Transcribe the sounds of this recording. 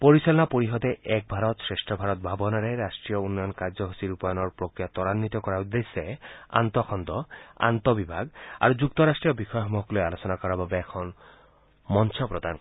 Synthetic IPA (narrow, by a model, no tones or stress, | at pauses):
poɾisɔlɔnapoɾiɦɔd̪eʔɛk̚bʱaɾɔt̪sɾesʈʰɔbʱaɾɔt̪̚bʱabɔnaɾeɾasʈɾijɔunːɔjɔnkaɾd͡ʒɔɦusiɾupanɔɾpɾokɾijat̪ɔɾanːit̪ɔkɔɾaud̪esːea̰nt̪ɔkʰɔnd̪ɔa̰nt̪ɔbibʱaɡa̰ɾud͡ʒuk̚t̪ɔɾasʈɾijɔbixɔjɔɦɔmɔɦɔklojalosɔnakɔɾababeːkʰɔn | mɔnsʰɔpɾɔd̪an